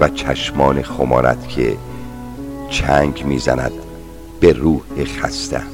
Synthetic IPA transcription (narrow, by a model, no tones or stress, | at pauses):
væt͡ʃʰæʃmɒːnexomɒːnæ̰d̪̥kʰe | t͡ʃʰæŋɡmiːzænæ̰d̪̥̚ | b̥eɾuːhexæst̪æ̰